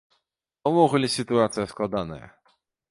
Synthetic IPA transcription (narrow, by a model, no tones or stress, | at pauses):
ɔmɔɣlʲisʲɨt̪uat̪sʲjɛskwad̪anɛ̰